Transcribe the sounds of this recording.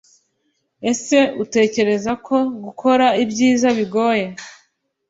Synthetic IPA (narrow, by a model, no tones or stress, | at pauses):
e̞se̞ute̞ːce̞ɾe̞zakʰo̞ɡukʰo̞ɾaibɟiːzaβiɡo̞ːje